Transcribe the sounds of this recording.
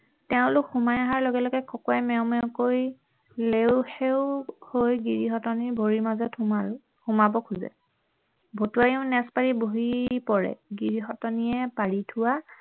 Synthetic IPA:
tɛʊ̃lʊkhumajaɦaɹlɔɡɛlɔɡɛkɔkɔɛmɛʊmɛʊkoj | lewheʊhojɡiɹiɦɔtɔnibʱoɹimazɔta | humabɔkʰuzɛ̰ | bʱotuajiʊ̃nɛspaɹiboɦipɔɹɛ̰ɡiɹiɦɔtɔniɛpaɹitʰʊwa

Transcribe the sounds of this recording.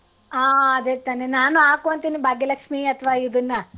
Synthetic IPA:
aːɐd̪et̪aːnenaːnuaːkoʋɐnt̪iːnibʱaːɡelɐkʂmiɐt̪ʰʋaːid̪ɐnːɐ

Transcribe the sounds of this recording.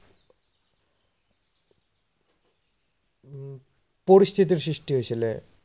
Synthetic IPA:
poɾist̪ʰit̪̬iɾsɾiʃʈiɦot͡ɕʰile

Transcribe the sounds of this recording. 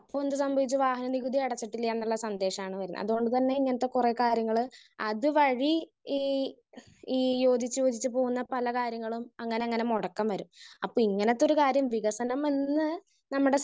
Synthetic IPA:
ɐpːoːend̪ɨsɐmbʱɐʋit͡ɕːɨʋaːɦɐnɐniɣud̪iɐɽɐt͡ɕːiʈːilːɐenːuɭːɐsɐnd̪e̞ːʂɐmaːɳɨʋɐɾunːɐ̰ɐ̰ðuɣo̞ɳɖɨt̪ɐnːe̞iŋːɐnɐt̪ːekureːkaːɾjɐŋːɐɭɨɐðɨʋɐɻi | iː | iːjo̞ːd̪ʱit͡ɕːujo̞ːd̪it͡ɕːɨpo̞ːɣunːɐpɐlɐkaːɾjɐŋːɐɭumɐŋːɐneɐŋːɐnemoɽɐkːɐmʋɐɾumɐpːoːiŋːɐnɐt̪ːo̞ɾukaːɾjɐmʋiɣɐsɐnɐme̞nːɨ | nɐmːuɽe̞

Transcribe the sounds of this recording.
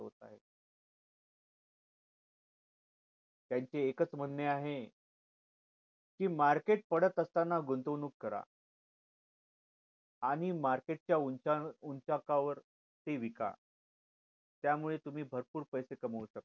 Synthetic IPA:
ɦo̰t̪a̰ɦe | t̪jaɲt͡ɕeːkət͡sm̤ənneaɦe | kiːmaɾkeʈ̚pəɽət̪əst̪anːaɡunt̪ənuːkːəɾa̰ | aɽ̃imaɾkeʈ̚t͡ɕjauauɲt͡ɕakaʋəɾ | t̪eʋika̰ | t̪jamuɭet̪um̤iːbʱəɾpuːɾpəjsekəməuɕək̚t̪

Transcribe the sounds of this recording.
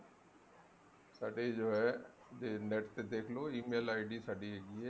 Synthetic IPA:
saːɖed͡ʒoːɦɛː | eneːʈt̪ed̪eːkʰloiːmeːlaːɪɖisaːɖiɦeːɡiɦɛː

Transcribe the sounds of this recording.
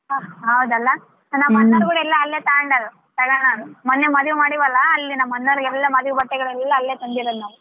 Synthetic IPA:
ɦɐwd̪ɐlːɐ | nɐmːɐnːɐɾɡuɽɛlːɐːlːeːt̪aːɐɳɖɐlːɐ | t̪ɐɡaɳanumɐnːemɐd̪ʋumaːɽiʋɐlːɐːlːinɐmːɐnːɐɾuɡɛlːɐmɐd̪ʋubɐʈːɛɡɐɭɛlːɐːlːeːt̪ɐnd̪iʋɐlːanu

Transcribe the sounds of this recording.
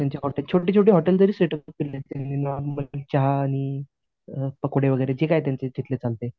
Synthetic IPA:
t̪jaɲt͡ɕjaɦɔʈelt͡ɕʰoʈiːt͡ɕʰoʈ̬iːɦɔʈeld͡zəɾiːsɾeʈət̪̚killet̪eninaməlt͡ɕaɦaːɽ̃i | pəkoɽ̤eʋəɡəjɾed͡ʑekajt̪̬jant͡sed͡ʑʱit̪let͡salt̪e

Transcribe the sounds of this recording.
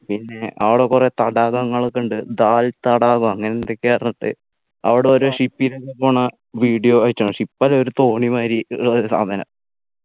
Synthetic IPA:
pinːe̞ʔɐʋiɽekːuret̪ɐɽaːɣɐŋːɐɭokːɐɳɖɨd̪aːlt̪ɐɽaːɣumɐŋːɐnend̪ekʲːepɐrɐnːɐʈ̪ːɨ̰ | ɐ̰ʋiɽeoɾuʂipːiɾekːepːoːɳɐ | ʋiːɖijoʋɐt͡ɕːɐɳuʂipːaːleoɾut̪o̞ːɳimaːɾiɭɐɾusa̰ːd̪ʱɐnɐ̰m

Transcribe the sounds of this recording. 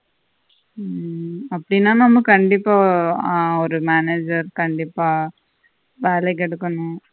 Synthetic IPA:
ɐpːɐɽɪnːaːnɐmːɐkɐɳɖɪpːaː | ɔɾɯmaːneːd͡ʒɐɾkɐɳɖɪpːaː | ʋeːlɛk̬ːɛɽɯkːɐɳʊ̃

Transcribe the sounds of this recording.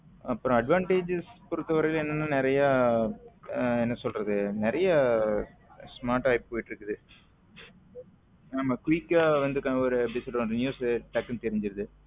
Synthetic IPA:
ɐpːɯɾõɐɖʋaːɳʈeːd͡ʒɪspʊɾɯt̪ːɐʋɐɾɐjɪlɛnːɐnːaːnɪɾɐjaː | ɛnːɐsɔlrɐðɯnɪɾɐjɐ | smaːɾʈajɪp̚poːjʈːɯɾɯkːɐðɯ | aːmaːkʊʋɪkːaːʋɐnd̪ɯkanɔɾɯbɪsɐʈɐnɯnjuːsʈɐkːɐmt̪ɛɾɪɲd͡ʒɪɾɐðɯ

